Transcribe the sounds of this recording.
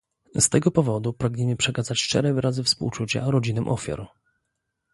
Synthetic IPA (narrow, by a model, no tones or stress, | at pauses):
st̪ɛɡɔpɔvɔd̪upɾaɡɲɛmɘpʂɛkazat͡ɕʂt͡ʂɛ̰ɾɛvɘɾʔazɘfspṵwt͡ʂut͡ɕa̰ɾɔd͡ʑinɛmʔɔfʲja̰ɾ